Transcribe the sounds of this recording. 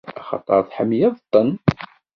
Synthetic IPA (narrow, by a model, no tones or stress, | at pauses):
æχɑ̰t̪ˤːɑɾˤθħəmːjæðˤət̪ˤːən